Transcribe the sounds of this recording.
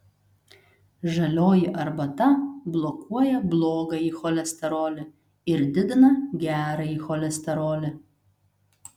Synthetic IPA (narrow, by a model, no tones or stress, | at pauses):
ʒɐlʲoːjɪʔɐɾbɐt̪ɐblˠɔkʰuɔjɛblˠoːɡɐixɔlʲɛsʲt̪ʲɛɾoːlʲɪ | ɪɾd̪ʲɪd̪ʲɪnɐɡʲæːɾɐiːxɔlʲɛsʲt̪ʲɛɾoːlʲɪ